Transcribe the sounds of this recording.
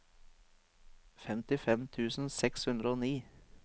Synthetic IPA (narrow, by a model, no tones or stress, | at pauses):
fɛmt̪ɪfɛmt̪ʰʉːsn̩sɛkshʉnd̪ɾəoːniː